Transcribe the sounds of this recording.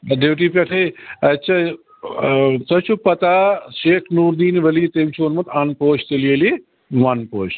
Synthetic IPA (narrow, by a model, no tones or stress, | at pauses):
ɖewʈipʲɐʈʰeɐtːʃʰa | sɐt͡ʃʰupɐt̪aʃeːkʰnuːɾd̪iːnʋɐlit̪emt͡ʃʰuonmɐt̪anpoːt͡ʃt̪elielie | ʋɐnpoːʃ